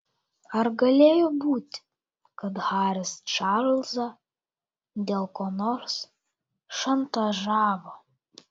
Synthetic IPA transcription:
ɐɾɡɐlʲeːjobuːt̪ʲ | kɐt̪hɑːɾʲɪst͡ʃɑɾlzɐ | d̪ʲeːlˠkoːnoːɾs | ʃɐnt̪ɐʒɑːʋo

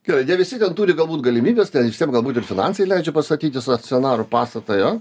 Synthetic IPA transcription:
ɡ̥ʲɛɐɪnʲɛʋʲɪsʲɪt̪ʲɛnt̪uːɾʲɪɡɐlˠbuːt̪ʲɡɐlʲɪmʲiːbʲeːst̪ʲɛnʲɪsʲt̪ʲiɛmɡɐlˠbuːt̪ʲɪrfʲɪnɑ̰nsɐɪlʲɛɪd͡ʒʲɛpɐst̪ɐt̪ʲiːt̪ʲɪsɐkt͡sʲɛnɑːɾʊpɑːst̪ɐt̪ɐjo

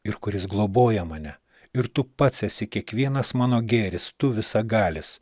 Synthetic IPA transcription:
ɪɾkʊɾʲɪsɡlˠoːboːjɛmɑːnʲɛ | ɪɾt̪ʊpɐt̪sʲɛsʲɪkʲiɛkʋʲiɛnɐsmɑːnoːɡʲeːɾʲɪst̪ʊʋʲɪsɐɡɑːlʲɪs

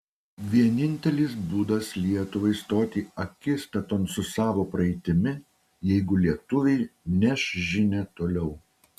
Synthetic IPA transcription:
ʋʲiɛnʲɪnʲt̪ʲɛlʲɪs̬buːd̪ɐslʲiɛt̪ʊʋɐɪst̪oːt̪ʲiːɐkʲɪst̪ʲɐt̪oːnt̪sʊsɑːʋoːpɾɐɛɪt̪ʲɪmʲɪ | jɛɪɡʊlʲiɛt̪ʊʋʲɛɪnʲɛʃʒʲɪnʲet̪oːlʲɛʊ

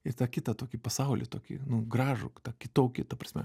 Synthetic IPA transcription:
ɪrt̪ɑːkʲɪt̪ɐt̪oːkʲɪpɐsɐʊlʲɪ̰t̪oːkʲɪ̰nʊɡɾɑːʒʊ̰t̪ɑːkʲɪt̪oːkʲɪt̪ɐpɾɐsʲmʲɛ̰

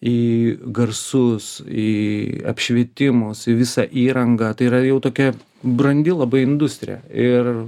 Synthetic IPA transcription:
iːɡɐrsʊsiɐ̰pʲʃʲʋʲiɛt̪ʲɪmʊsɪʋʲɪsɑʔiːɾɐŋɡɐt̪ɐɪiːɾɐjɛʊt̪oːkʲɛ | bɾɐnʲd̪ʲɪlˠɐbɐɪɪnd̪ʊsʲt̪ʲɾʲɪ̰jɛ̰ɪr

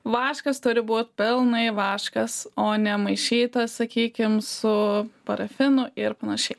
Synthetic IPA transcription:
ʋɑːʃkɐst̪ʊɾʲɪbuːt̪ʲpʲɪlˠnɐɪʋɑːʃkɐsoːnʲɛmɐɪʃʲiːt̪ɐssɐkʲiːkʲɪmsʊpɐɾɐfʲɪnʊʔɪɾpɐnɐʃʲɛɪ

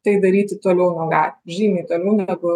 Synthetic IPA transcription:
t̪ɐɪd̪ɐɾʲiːt̪ʲɪt̪oːlʲɛʊnuɔɡɑːlʲʒʲiːnʲɐɪt̪oːlʲɛʊnʲæɡʊ

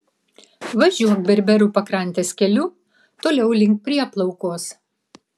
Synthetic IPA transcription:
ʋɐʒʲuɔk̚bʲɛɾʲbʲɛɾʲupɐkɾɐnʲt̪ʲeːskʲɛlʲu | t̪oːlʲɛʊlʲɪŋk̚pʲɾʲiɛplˠɐʊkoːs

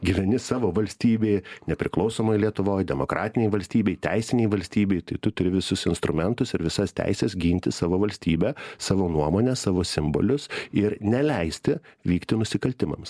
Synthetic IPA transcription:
ɡʲiːʋʲɛnʲɪsɑːʋoːʋɐlʲsʲt̪ʲiːbʲeɪjnʲɛpʲɾʲɪklˠɒʊsoːmɐɪlʲiɛt̪ʊʋoːjd̪ʲɛmokɾɑ̰ːt̪ʲɪnʲɛɪʋɐlʲsʲt̪ʲiːbʲeɪt̪ʲæɪsʲɪnʲɛɪʋɐlʲsʲt̪ʲiːbʲeɪt̪ɐɪt̪ʊt̪ʊɾʲɪʋʲɪsʊsɪnst̪ɾʊmʲɛnt̪ʊsɪɾʋʲɪsɐst̪ʲæ̰ɪsʲɛsɡʲiːnʲt̪ʲɪsɑːʋoːʋɐlʲsʲt̪ʲiːbʲɛsɑːʋoːnuɔmoːnʲɛsɑːʋoːsʲɪmbo̰ːlʲʊsɪɾnʲɛlʲɛɪsʲt̪ʲɪʋʲiːkt̪ʲɪnʊsʲɪkɐlʲt̪ʲɪmɐ̰ms

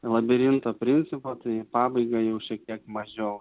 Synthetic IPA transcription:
lˠɐbʲɪɾʲɪnt̪oːpʲɾʲɪnʲt̪sʲɪpot̪ɐɪpɑːbɐɪɡɐjɛʊʃʲɛkt̪ʲiɛkmɐʒʲɛʊ

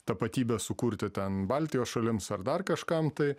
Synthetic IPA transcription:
t̪ɐpɐt̪ʲiːbʲɛsʊkuːɾʲt̪ʲɪt̪ʲɛnbɑlʲt̪ʲɪjoːsʃɐlʲɪmsɐɾd̪ɐrkɐʃkɐmt̪ɐɪ

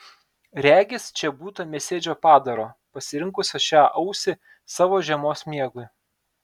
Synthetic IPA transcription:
ɾʲæːɡʲɪst͡ʃʲɛbuːt̪ɐmʲeːsʲeːd͡ʒʲoːpɑːd̪ɐɾoːpɐsʲɪɾʲɪŋkʊsʲoʃʲæːʔɐʊsʲɪ | sɑːʋoːʒʲɛmoːsmʲiɛɡʊɪ

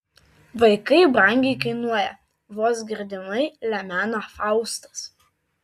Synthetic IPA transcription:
ʋɐɪkɐɪbɾɐŋʲɡʲɛɪkɐɪnuɔjɛ | ʋoːsɡʲɪɾʲd̪ʲɪnɐɪlʲɛmʲæːnoːfɑˑʊst̪ɐ̥s

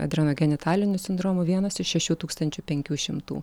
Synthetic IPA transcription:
ɐ̰d̪ʲɾʲɛnoːɡʲɛnʲɪt̪ʰɑːlʲɪnʲʊsʲɪnd̪ɾoːmʊʋʲiɛnɐsɪʃʃʲɛʃʲuːt̪uːkst̪ɐnʲt͡ʃʲʊpʲɛŋʲkʲuːʃʲɪmt̪ṵː

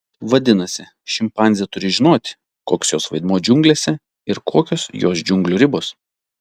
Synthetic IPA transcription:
ʋɐd̪ʲɪnɐsʲɪ | ʃʲɪmpɑˑnʲzʲiɛt̪ʊɾʲɪʒʲɪnoːt̪ʲ | koːkʲːsjoːsʋɐɪd̪muːd͡ʒʲʊŋɡlʲeːsʲɛ | ɪɾkʰoːkʲoːsjoːsd͡ʒʲʊŋɡlʲuɾʲɪboːs

